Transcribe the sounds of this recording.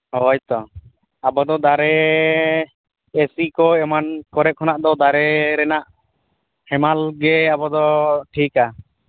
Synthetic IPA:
ɔɔjt̪ɔ | abɔd̪ɔd̪aɾɛ | esikɔɛmankɔɾɛp̚hɔnaʔd̪ɔd̪aɾɛɾɛnaʔ | hɛmalɡɛabɔd̪ɔʈʰika

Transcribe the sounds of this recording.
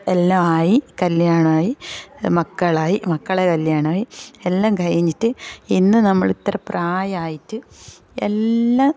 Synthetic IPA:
elːaːmaːjikɐljaːɳɐaːjimɐkːɐɭaːjimɐkːɐɭekɐljaːɳaːjielːaːmɡʱɐjiɲːitːɨinːɨnɐmːɐɭit̪ːrɐpraːjaːjitːɨ | ḛlːa

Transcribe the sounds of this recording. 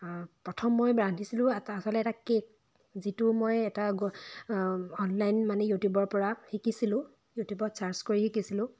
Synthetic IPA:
pɹɔtʰɔmːojbɹandisilʊ̃asɔlɛtakek̚ | zitumojɛtaɡ | ɔnlajnmanɛjutjubɔɹpɔɹaxikisilʊ̃ | jutjubɔtsaɹskoɹixikisilʊ̃

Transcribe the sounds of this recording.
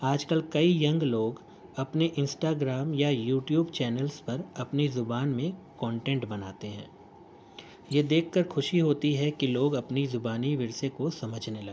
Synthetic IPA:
aːd͡ʒkəlkɐijɐ̃ŋɡloːɡ | ɐpneʔɪ̃nsʈaːɡɾaːmjajuːʈjuːbt͡ʃɛːnəlspɐɾɐpnizʊbaːnmẽkɔ̃ːɳʈɛ̃ːɳʈbɐnaːt̪eɦɛ̰̃ː | jed̪eːkʰːɐɾxʰʊʃiɦoːt̪iɦɛkiloːɡɐpnizʊbaːniʋɪɾsekosɐməd͡ʒʱnelɐɡː

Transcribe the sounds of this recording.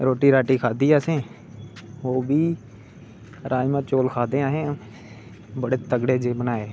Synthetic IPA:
ɾoːʈiːɾaːʈiːkʰaːd̪iːaːsẽː | oːbiː | ɾaːjmãːt͡ʃoːlkʰaːd̪ẽːaːɦẽː | bəɽeːt̪əɡɽeːd͡ʒeːbənaːeː

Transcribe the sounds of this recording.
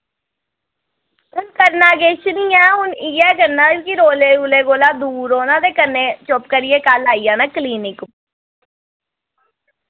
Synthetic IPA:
ʊnkəɾnãːɡeːʃənijãːɦʊniːɛːkəɾnãːkiɾoːleːɾuːleːɡoːlaːd̪uːɾoːnãːd̪eːkənːẽːt͡ʃopkəɾɪjeːkalaːiːãːnaːkliːnɪk

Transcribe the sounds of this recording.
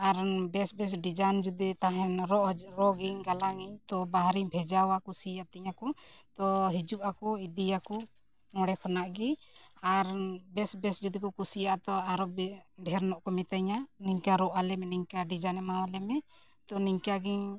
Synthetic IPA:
aɾbɛsbɛs̬ɖid͡ʒand͡ʒud̪it̪aɦɛnɾɔʔɾɔɡiŋɡalaŋiɲt̪ɔbaɦɾiɲbʱɛd͡ʒawakusijat̪iɲakɔt̪ɔɦid͡ʒuʔakɔid̪ijakɔ | ŋɔɽɛkʰɔnaʔɡiaɾbɛsbɛsd͡ʒud̪ikɔkusijaʔt̪ɔaɾɔbɖʱɛɾnɔʔkɔmɛt̪aɲaniɲkaɾɔʔalɛmɛniɲkaɖid͡ʒanɛmawalɛmɛ | t̪ɔniɲkaɡiŋ

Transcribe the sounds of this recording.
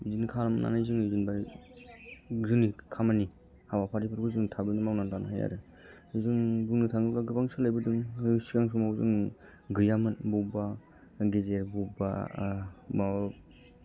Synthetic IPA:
izinkʰaɾamna̰najzɯŋɯzinba | ɡzɯnikʰamani | hawapʰaɾipʰɯɾbɯzɯŋtʰabɯnɯmawnantanaɦaja̰ɾɯ | ɯzɯŋbuŋnɯtʰaŋɯlaɡɯbaŋsɯlajbɯdɯŋɯsikaŋsumawzɯŋ | ɡɯjamɯnbuba | ɡezeɾbuba̰ | maw

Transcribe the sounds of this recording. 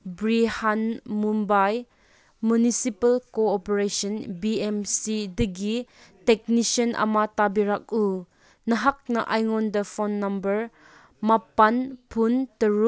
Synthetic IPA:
bɾihanmumbaj | munisipɐlkoːpeɾesɔnbiemsidɐɡi | tɛk̚nisənʔɐ̰matabiɾak̚u | nɐɦak̚nɐʔajŋɔndɐpʰɔnːɐmbɐɾ | mapɐnpʰuntɐɾu

